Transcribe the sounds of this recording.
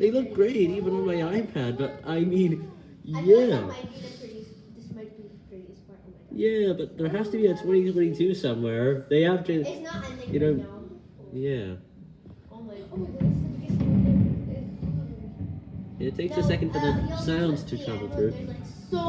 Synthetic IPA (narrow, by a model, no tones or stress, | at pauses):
ðeɪlʌvɡɹeɪɾivə̃nə̃nmaɪaɪpʰæd̚bʌɾʔaɪmĩn | jæ | jæbʌt̪̚ðə˞ɦæstɨbiɨtʰw̥ɛ̃ɾ̃itʰwɛ̃ɾ̃ĩtʰʉsʌ̃mwɛɹðeɪæftɨjɨnoʊ | jæ | ɨtʰeɪksɨsɛkndfə˞ðɨsãʊ̃ndz̥tʰɨtʰɹ̥ævl̩ˠθɹʉ